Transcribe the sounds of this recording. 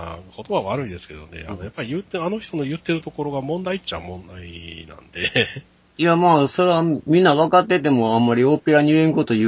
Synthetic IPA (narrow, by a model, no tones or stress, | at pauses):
ako̞t̪o̞baβaɾɯ̟id̪e̞sɨ̥ke̞d̪o̞̰ne̞̰aojapːaɾʲijɯt̪ːeano̞ç̥t̪o̞no̞jɯ̟t̪ːe̞ɾɯ̟t̪o̞ko̞ɾo̞ɡamõ̞nd̪ait͡ɕa̰mõ̞nd̪ainã̰nd̪̥e̞ | jamaːso̞ɾeamʲĩnːaβakat̪ːe̞t̪e̞mo̞ãmːaɾʲio̞ːpe̞ɾaɲɯẽŋko̞t̪o̞jɯ